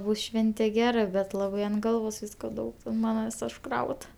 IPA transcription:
ˈbʊs ˈʃʲʋʲɛnʲtʲɛ ˈɡʲæːrɐ bʲɛt ˈlˠɑːbɐɪ ɐnt ˈɡɐlˠʋoːs ˈʋʲiːskoː ˈdɐʊk ɐnt ˈmɑːnɐ ʋʲiːs ʊʃˈkrɐʊt

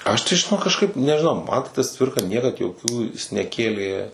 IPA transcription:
ˈɐʃ tɐɪ ʒʲɪˈnoːk kɐʃˈkɐɪp nʲɛʒʲɪˈnɐʊ ˈmɐn tɐɪ tɐs ˈt͡sʲʋʲɪrkɐ ˈnʲiɛkɐt joːˈkʲuː jɪs nʲɛˈkʲeːlʲeː

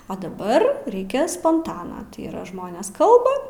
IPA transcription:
oː dɐˈbɐr ˈrʲɛɪkʲeːs spoːnˈtɑːnɐ tɐɪ iːˈrɐ ˈʒmoːnʲeːs ˈkɐlˠbɐ

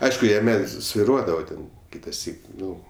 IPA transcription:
ˈɐɪʃkʊ jɛˈmʲɛ sʲʋʲɪˈruɔdɐʋoː ˈtʲɛn ˈkʲɪtɐˌsʲiːk ˈnʊ

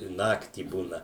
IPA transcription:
ɪ ˈnɑːktʲiː ˈbuːnɐ

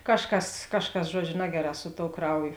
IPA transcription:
ˈkɑːʃˌkɐs ˈkɑːʃˌkɐs ˈʒuɔd͡ʒʲʊ ˈnɑːɡʲɛˌrɑː sʊ toːʊ ˈkrɐʊˌjoː

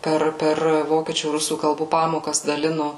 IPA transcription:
ˈpʲɛr ˈpʲɛr ˈʋoːkʲiɛt͡ʃʲuː ˈrʊsuː kɐlˠˈbuː ˈpɑːmoːkɐs dɐˈlʲɪnʊ

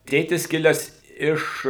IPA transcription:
ˈtʲeːtʲɪs ˈkʲɪlʲɛs ˈɪʃ

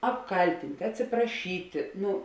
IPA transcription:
ɐpˈkɐlʲtʲɪnʲtʲ ɐtʲsʲɪprɐˈʃʲiːtʲɪ ˈnʊ

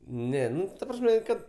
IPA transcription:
ˈnʲɛ ˈnʊ tɐ ˈprɑːsʲmʲɛ ˈkɐt

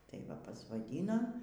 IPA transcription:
tɐɪ ˈʋɐ pɐsʋɐˈdʲiːnoː

